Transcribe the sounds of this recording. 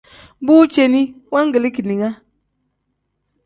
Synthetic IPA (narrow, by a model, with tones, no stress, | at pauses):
buː˦t͡ʃe˦ni˦wa˦ŋ˦ɡə˨li˦ki˨ni˨ŋa˦